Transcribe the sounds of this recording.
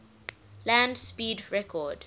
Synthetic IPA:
læ̃ndspiːdɹɛkʰɔːd

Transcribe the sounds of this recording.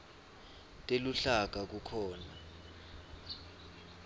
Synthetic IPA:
tʼeluɬak̬ak̬ukʰɔːna

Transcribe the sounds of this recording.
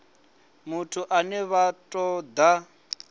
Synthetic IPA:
mutʰuʔanɛβatʼɔd̪a

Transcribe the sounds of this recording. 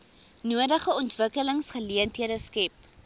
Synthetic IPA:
nuədəχəɔntvəkələŋsχəliəntiəɾəskɛp̚

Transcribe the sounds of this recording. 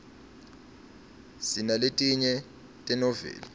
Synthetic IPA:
sinaletʼiɲɛ | tʼɛnɔvɛ̰ːla

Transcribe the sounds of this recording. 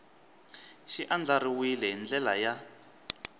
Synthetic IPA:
ʃiʔand͡ɮaɾiwilɛɦind͡ɮɛlaja

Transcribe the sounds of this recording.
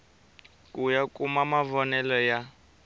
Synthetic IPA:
kʼujakʼumamavɔnɛlɔja

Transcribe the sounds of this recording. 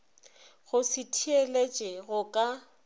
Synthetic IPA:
ɣʊsɪtʰielet͡ʃʼɛɣʊkʼa

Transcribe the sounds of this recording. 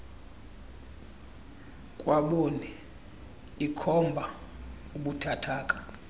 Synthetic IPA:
kʼwaɓoni | ikʰɔmbʱa | uɓutʰatʰaːkʼḁ

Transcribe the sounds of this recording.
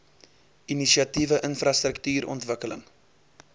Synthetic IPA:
inisiɐtivəʔənfrɐst̪rəktyːɾɔ̰ntvəkələŋ

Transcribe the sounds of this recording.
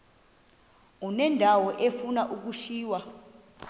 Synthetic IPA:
unɛndʱawɔʔefunaʔuk̬uʃiːwa

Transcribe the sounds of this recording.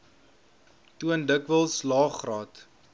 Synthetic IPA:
tuəndəkvəlˠslɑːχrɑːt

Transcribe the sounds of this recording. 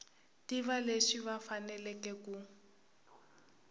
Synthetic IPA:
tiβaleʂiβafanɛlɛkɛku

